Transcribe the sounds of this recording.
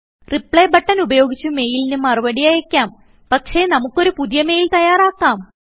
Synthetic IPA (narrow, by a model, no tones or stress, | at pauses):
ripɭebɐʈːɐnubɐjo̞ːɡit͡ɕːume̞ːjilinumːɐruʋɐɽijɐjɐkʲːaːm | pɐkʂe̞nɐmukːo̞ɾupuðijɐme̞ːjilt̪ɐjaːraːkːaːm